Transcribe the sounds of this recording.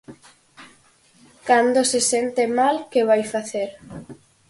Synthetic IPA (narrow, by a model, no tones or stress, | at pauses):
kand̪osesent̪emalkeβajfaθeɾ